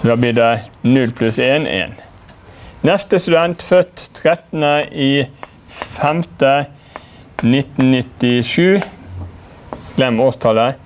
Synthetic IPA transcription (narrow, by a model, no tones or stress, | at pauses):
d̪ɑːbliːɖ̪ɛnʉlpʰlʉseːnḛːn | nɛst̪əst̪ʉd̪ɛnt̪fœt̪t̪ʰɾɛt̪ən̩əʔiː | fɛmt̪ə | nɪt̪n̩nɪt̪ɪʂʉː | ɡ̥lɛmoːst̪ʰɑlə